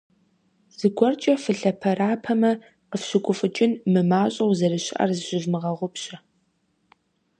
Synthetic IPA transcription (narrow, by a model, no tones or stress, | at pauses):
z̥ɨɡʷɔrt͡ʃʼɐfɨɬɐpʰɐɾaːpʰɐmɐ | qəfɕɪkʷʼʊfʼɨt͡ʃʼɪnmɨmaːɕʼɐwzɐrɨɕɪʔɐ̰rzɨɕɪʒmɨʁɐʁʷʊpɕɐ